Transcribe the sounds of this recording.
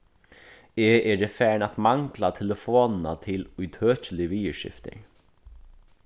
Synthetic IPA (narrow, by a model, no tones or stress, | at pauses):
eːʔɛːɾɛfæːɳat̪maŋklat̪ʰɛləfoːnna̰t̪ʰɪlʊjt̪ʰøːt͡ʃəlɪʋiːəʃɪ̰ft̪ɪ̰ɹ